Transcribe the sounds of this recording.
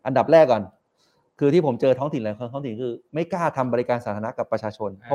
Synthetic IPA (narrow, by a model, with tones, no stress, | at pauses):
ʔa˧nda˨˩p̚ɾɛː˥˩kːɔ˨˩n | kʰɯː˧t̪ʰiː˥˩pʰo˩˦mt͡ɕɤː˧t̪ʰɔː˦˥ŋt̪ʰi˩˦nlaː˨˩˦jkʰa˧nt̪ʰɔː˦˥ŋt̪i˩˦nkʰɯː˧ma˥˩jkaː˥˩t̪ʰa˧mbɔː˧ɾi˧kaː˧nsaː˨˩˦t̪ʰaː˧na˦˥ka˨˩pːɾa˧t͡ɕʰaː˧t͡ɕʰo˧nʰ˦˥